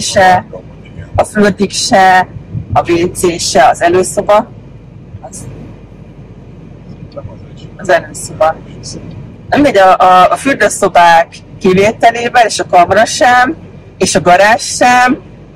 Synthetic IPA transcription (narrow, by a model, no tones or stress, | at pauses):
ʃɛ | ɒfyrd̪ikʃɛ | ɒveːd̪zeːʃɛɒzɛløːso̞bɒ | z | ɒzɛløːso̞bɒ | ɛmd̪ɛɟɒʔfyrd̪øso̞baːkːiveːt̪ɛleːbɛneːʃɒkɒmɔɾɒʃɛm | eːʃɒɡɒɾaːʃːɛm